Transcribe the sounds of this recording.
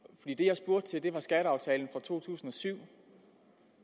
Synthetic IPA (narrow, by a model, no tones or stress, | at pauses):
fɒ̽d̥ḭːd̥e̝jɑ̈ɪsb̥o̝ɐ̰d̥̚t͡sʰe̝ld̥e̝ʋɑ̈sɡ̥æɾ̥əɑ̈ʊt͡sʰɛ̰ːln̩fʁɑ̈t͡sʰo̝̰ːt͡sʰṵːsn̩ɒ̽syʊ̰